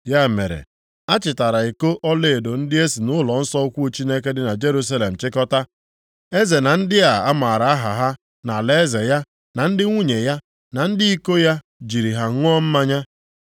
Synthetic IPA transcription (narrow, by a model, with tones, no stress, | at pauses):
ja˦˨mḛ˨ɾḛ˨ | a˦t͡ʃɪ˨ta˨ɾa˨i˨ko˦ʔɔ˦le˦˨e˨do˨n̩˦dɪ˦e˦si˨nʊ˦lɔ˨n̩˦sɔ˦kʷu˦t͡ʃi˦ne˦ke˦dɪ˦na˨d͡ʒe˦ɾu˦sa˦le˨m̩˨t͡ʃɪ˦kɔ˦ta˦ | e˦ze˨na˨n̩˦dɪ˦a˨a˦ma˨ɾa˨a˦ɦa̰˨ɦa˦ | na˨le˦e˦ze˨ja˦ | na˨n̩˦dɪ˦ŋʷu˦ɲe˨ja˦ | na˨n̩˦dɪ˦i˦ko˦ja˦ | d͡ʒi˨ɾi˨ɦa˨ŋʷ˦ɔ˦m̩˦ma˦ɲa˦